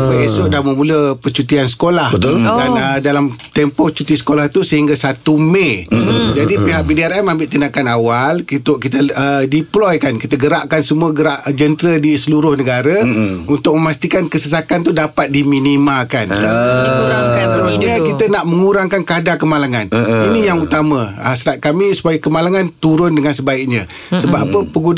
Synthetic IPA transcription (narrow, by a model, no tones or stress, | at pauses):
əesʊʔdaməmuləpət͡ʃut̪ians̬ə̥kolahbət̪ʊldanədalamt̪ɛmpɔt͡ʃut̪isə̥kolaht̪usəɦiŋɡasat̪umed͡ʒadipiɦaʔ̚bideaɾɛmãmbɪʔt̪inakanawalkit̪ʊʔkit̪əədiplɔjkankit̪əɡəɾaʔkansəmuaɡəɾaʔd͡ʒənt̪ɾədisəluɾʊhnəɡaɾəunt̪ʊk̚məmast̪ikankəsəs̬akant̪udapat̪̚diminimakan | akant̪əɾusɲəkit̪ənaʔməŋuɾaŋkankadakəmalaŋaninijaŋut̪amãasɾat̪̚kamisu̥pajakəmalaŋant̪uɾʊndəŋansəbaiʔ̚ɲa | səbapəpəɡu